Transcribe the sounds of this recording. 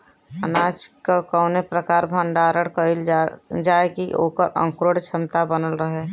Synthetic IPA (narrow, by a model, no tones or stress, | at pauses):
ənaːt͡ʃkakəːʊnepɾəkaːɾbʱə̃ɳɖaːɾəɽkəɪld͡ʒaːekiʔo̰ːkəɾʔə̰̃ŋkɾoːɽt͡ʃʰɪmt̪abənəlɾəɦe